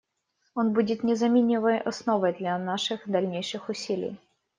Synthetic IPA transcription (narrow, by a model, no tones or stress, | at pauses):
onbudʲɪt̪nʲɪzɐmʲinʲɪvəjɐsnovəjd̪lʲɐnaʂɨxd̪ɐlʲnʲejʂɨxʊsʲilʲɪ̰j